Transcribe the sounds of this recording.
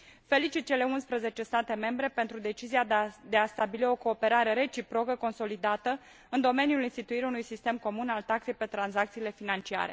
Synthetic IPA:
fe̞lit͡ʃit̪̚t͡ʃe̞le̞unspɾəze̞t͡ʃe̞st̪at̪e̞me̞mbɾe̞pe̞nt̪ɾud̪e̞t͡ʃiziad̪e̞ast̪abilio̞koːpe̞ɾaɾe̞ɾe̞t͡ʃipɾo̞kəko̞nso̞lid̪at̪ə | ɨnd̪o̞me̞nijulinst̪it̪uiɾaunujsist̪e̞mko̞munalt̪akse̞jpe̞t̪ɾanzak̚t̪siːle̞finant͡ʃia̰ɾe̞̰

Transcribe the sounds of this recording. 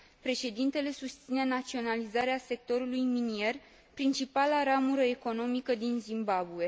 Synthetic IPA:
pɾe̞ʃe̞d̪int̪e̞le̞sust̪sine̞nat̪sio̞nalizaɾease̞k̚t̪o̞ɾulujminie̞r | pɾint͡ʃipalaɾamuɾəe̞ko̞no̞mikəd̪inzimbabue̞

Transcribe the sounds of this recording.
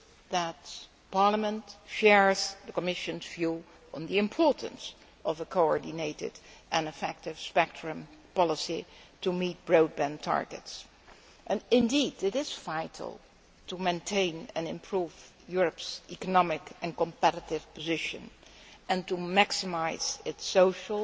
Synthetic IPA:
ðət | pɑɹləmə̃ntʃɛɹz̥ðəkəmɪʃɨ̃nzvju | ə̃nðiɨ̃mpʰɔɹtə̰̃ns | ʌvəkʰoɔɹdɪneɪtɪ̰dʔɨ̃nɨfɛk̚tɪv̥spɛk̚tʰɹɨ̃mpɑlˠəsitumit̚b̥ɹoʊd̚bæ̃ntʰɑ̰ɹɡɨ̰ts | ʔɨ̃nɪ̃ndidɪɾɪz̥faɪtʰl̩ˠ | tʰumẽɪ̃ntʰẽɪ̃nɨ̰̃nɪ̃mpʰɹuːv | jʊɹəpsikənɑmɪkɨ̃nkə̃mpɛɾətɪv̥pəzɪʃɨ̰̃nɨ̃ntumæksɨmaɪz̥ɪtsoʊʃlˠ

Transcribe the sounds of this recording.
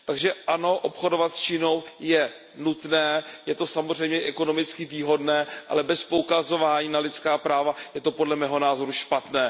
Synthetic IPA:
t̪aɡʒɛʔano̞ʔo̞pxo̞do̞vat̪st͡ʃino̞wjɛ | nut̪nɛːjɛt̪o̞samor̝ɛjmɲɛʔɛko̞no̞mɪt͡skɪviːɦo̞dnɛːʔa̰lɛbɛspoukazo̞vaːɲiːnalɪt̪t͡skaːpɾaːvajɛt̪o̞po̞dlɛmɛːɦo̞naːzo̞ɾuʃpat̪nɛː

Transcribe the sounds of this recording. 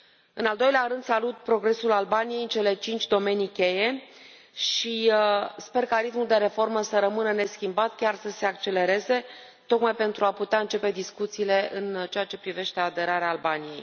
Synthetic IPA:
ɨnald̪o̞jleaɾɨnd̪salut̪̚pɾo̞ɡɾe̞sulalbanije̞jɨnt͡ʃe̞le̞t͡ʃint͡ʃʲd̪o̞me̞nikʲe̞je̞ | ʃispe̞rkaɾit̪muld̪e̞ɾe̞fo̞rməsəɾəmɨnəne̞skʲimbat̪kʲarsəse̞akt͡ʃe̞le̞ɾe̞ze̞ | t̪o̞kmajpe̞nt̪ɾuaput̪eaɨnt͡ʃe̞pe̞d̪iskut̪siːle̞ɨnt͡ʃeat͡ʃe̞pɾive̞ʃt̪e̞ad̪e̞ɾaɾeaːlbanije̞j

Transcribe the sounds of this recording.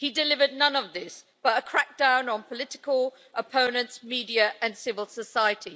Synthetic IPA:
hidɨlɪvədⁿnʌ̃nəvðɪs | b̥ʌtəkʰɹ̥æk̚d̥ãʊ̃nə̃npʰəlɪtɪ̥kʰəlˠ | ʔəpʰə̃ʊ̃nə̃ntmiːdiəʔə̃nsɪvəlˠsəsaɪətʰi

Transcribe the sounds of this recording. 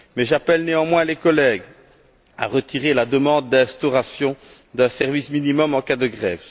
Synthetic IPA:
mɛʒapɛlneɑ̃mwɛ̃lekɔlɛɡ | a̰ʁət̪iʁelad̪əmɑ̃d̪ːɛ̃st̪ɔʁasjɔ̃d̪œ̃sɛʁvisminimɔmɑ̃kad̪əɡʁɛv

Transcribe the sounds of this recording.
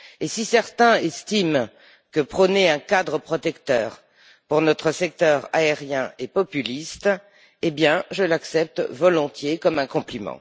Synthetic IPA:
esisɛʁt̪ɛ̃ɛst̪im | kəpχənɛɛ̃kad̪ʁəpχɔt̪ɛkt̪œːʁ | puʁnɔt̪χəsɛk̚t̪œʁa̰eʁjɛ̃epɔpylist̪ | ebjɛ̃ʒəlaksɛp̚t̪vɔlɔ̃t̪jekɔmɛ̃kɔ̃plimɑ̰̃

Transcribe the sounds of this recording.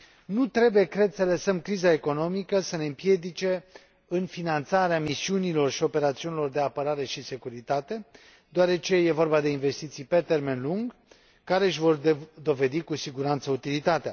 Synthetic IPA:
nut̪ɾe̞buje̞kɾe̞d̪sələsəmkɾizae̞ko̞no̞mikəsəne̞ɨmpje̞d̪it͡ʃe̞ | ɨnfinant̪saɾeamisiunilo̞rʃio̞pe̞ɾat̪siunilo̞rd̪e̞apəɾaɾe̞ʃise̞kuɾit̪at̪e̞ | d̪oaɾe̞t͡ʃe̞je̞vo̞rbad̪e̞inve̞st̪it̪sijpe̞t̪e̞rme̞nluŋɡ | kːaɾe̞ʃʲvo̞rd̪o̞ve̞d̪ikusiɡuɾant̪səut̪ilit̪at̪ea

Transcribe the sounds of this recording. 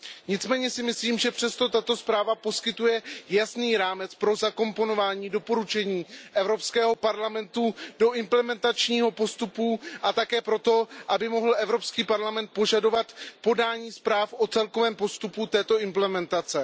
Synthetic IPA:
ɲɪt͡smɛːɲɛsɪmɪsliːmʒɛpr̝̥ɛst̪o̞t̪at̪o̞spɾaːvapo̞skɪt̪ujɛjasniːɾaːmɛt͡spɾo̞zako̞mpo̞no̞vaːɲiːdo̞po̞ɾut͡ʃɛɲiːʔɛvɾo̞pskɛːɦo̞paɾlamɛnt̪udo̞ʔɪmplɛmɛnt̪at͡ʃɲiːɦo̞po̞st̪upuʔat̪akɛːpɾo̞t̪o̞ʔabɪmo̞ɦl̩ʔɛvɾo̞pskiːpaɾlamɛnt̪̚po̞ʒado̞vat̪po̞daːɲiːspɾaːfʔo̞t͡sɛlko̞vɛːmpo̞st̪uput̪ɛːt̪o̞ʔɪmplɛmɛnt̪at͡sɛ

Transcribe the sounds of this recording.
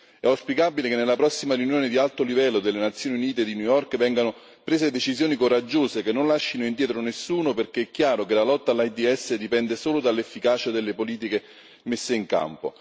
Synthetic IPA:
ɛawspikabilekenːelapɾɔsːimaɾejunjoːned̪ialt̪olivɛlːod̪elːenat̪sjoːniuniːt̪ed̪injujɔrkvɛŋɡano | pɾeːzed̪et͡ʃizjoːnikoɾad͡ʒːoːsekenːonlaʃːinoind̪jɛːt̪ɾonesːuːnoperkeɛkːjaːɾokelalɔt̪ːaːlːajd̪iɛsːed̪ipɛnd̪esoːlod̪alːefːikaːt͡ʃad̪elːepoliːt̪̬ike | mesːeiŋka̰mpo̰

